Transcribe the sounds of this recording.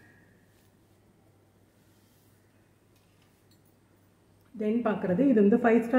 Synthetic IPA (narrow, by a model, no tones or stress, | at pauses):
d̪enpaːkrɐðɨiðund̪ɨfɐjsʈa